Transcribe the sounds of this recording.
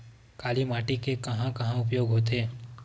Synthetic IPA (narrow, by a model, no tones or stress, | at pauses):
kaːlimaːʈikekɐɦãkɐɦãʊp̬joːɡɦoːt̪eː